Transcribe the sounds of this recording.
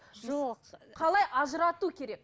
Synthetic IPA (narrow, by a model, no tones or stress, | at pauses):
ʒoqʰɑlˠɑjʔɑʒəɾɑt̪ukʲʰe̞ɾe̞k̚